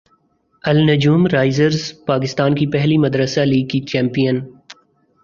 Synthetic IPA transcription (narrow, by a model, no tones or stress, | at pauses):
ɐlnɐd͡ʒuːmɾaːɪzəɾzpaːk̬ɪst̪aːnkipɛɦlimɐd̪ɾəsaliːɡ̚kit͡ʃɛ̃ːmpijən